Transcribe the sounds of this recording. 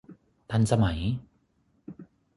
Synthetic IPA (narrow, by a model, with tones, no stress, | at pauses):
t̪ʰa˧nsa˧ma˩˦j